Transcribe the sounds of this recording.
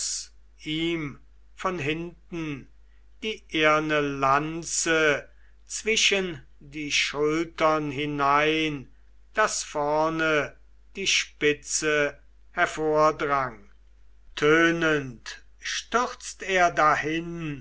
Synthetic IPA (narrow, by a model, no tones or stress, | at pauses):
s | ʔiːm | fɔnɦɪntn̩ | d̥iːʔeɐnəlant͡sə | t͡sv̥ɪʃən | diːʃʊltɐnɦɪnaɪn | d̥asfɔɐnə | d̥iːʃpɪt͡sə | hɛɐfoːɐdʁaŋ | tʰøːnənt | ʃtʏχt͡steːɐdahɪn